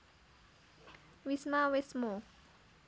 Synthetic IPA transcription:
wismawesmo

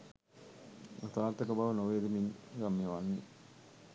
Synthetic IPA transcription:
ot̪aːɾt̪əkəbaʋənoʋeːd̪eminɡamːeʋanːe

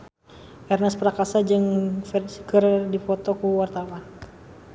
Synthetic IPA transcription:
ʔɛrnɛspɾakasad͡ʒɨŋfɛrsikərdipɔt̪ɔkuwart̪awan

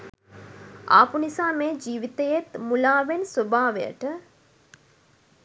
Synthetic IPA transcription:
a̰ːpunisaːmeːd͡ʒiːʋit̪ejet̪mulaːʋensobaːʋḛjə̰ʈə

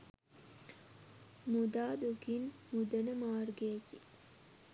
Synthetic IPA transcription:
mud̪aːd̪uɡinmud̪ənəmaːɾɡeːki

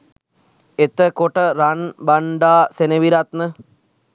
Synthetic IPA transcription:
et̪əkoʈəɾanbaɳɖaːseneʋiɾat̪nə

